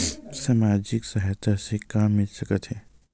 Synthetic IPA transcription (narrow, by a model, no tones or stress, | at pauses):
saːmaːd͡ʒɪksɐɦt̪asekaːmːɪlsɐkət̪ɦɛː